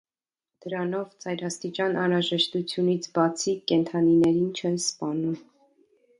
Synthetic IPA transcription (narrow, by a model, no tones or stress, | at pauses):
d̪̥əɾɑnɔvt͡sɑjɾɑst̪it͡ʃɑnɑnɾɑʒɛʃt̪ut͡sʰjunit͡sʰbɑt͡sʰikɛnt̪ʰɑninɛɾint͡ʃʰɛnspɑnum